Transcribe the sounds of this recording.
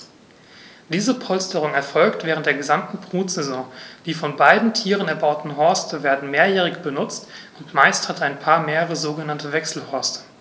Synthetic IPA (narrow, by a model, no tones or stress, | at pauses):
d̥iːzəpʰɔlstəʁʊŋɛɐfɔlktv̥ɛːʁəntd̥eːɐɡəzamtn̩bʁuːtz̥ɛzɔ̃ːd̥iːfɔnbaɪdn̩tʰiːʁənɛɐbaʊtn̩ɦɔɐstʰəveːɐdn̩meːɐjɛːʁ̞ɪçb̥ənʊt͡st | ʊntmaɪsthataɪnpʰaːɐmeːʁəʁ̞əzoːɡənantəvɛksl̩hɔɐstʰə̥